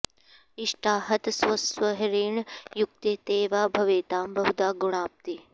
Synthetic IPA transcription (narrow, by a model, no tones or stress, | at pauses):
iʂʈaːɦɐt̪swɐsʋɐɦɐɾeːɳjuk̚t̪et̪eːʋaːbʱɐʋeːt̪aːmbɐɦud̪aːɡuɳ̃aːp̚t̪i